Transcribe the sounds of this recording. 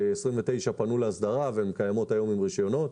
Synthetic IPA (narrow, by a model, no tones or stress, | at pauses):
esʁimvet̪ejʃapanuleasd̪aʁavemekajamo̞tajo̞mimʁiʃjo̞no̞t